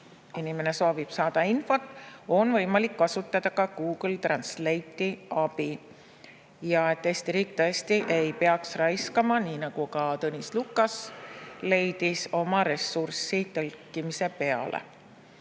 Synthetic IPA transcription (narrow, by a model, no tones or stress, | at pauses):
inimene̞so̞ːvib̥sɑːd̪̥ɑinfo̞t̪ːˑo̞nvɤ̞jmɑlikːɑsut̪ːˑɑd̪̥ɑkɑɡ̥uːɡ̥lt̪rɑnslejt̪ːˑiɑb̥i | jɑe̞t̪ːeːsʲt̪iɾiːk̚t̪ɤest̪iʔe̞jpeɑksrɑjskɑmɑniːnɑɡ̥ukɑt̪ɤnʲislukːˑɑsle̞jd̪̥iso̞mɑɾe̞sːursit̪ɤlkːˑimise̞pe̞ɑ̰lʔḛ